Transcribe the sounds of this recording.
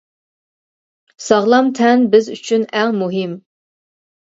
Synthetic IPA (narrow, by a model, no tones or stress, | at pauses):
sɑʁlˠɑmt̪ʰɛnbɪzy̰t͡ʃʰynæŋmuɦɪm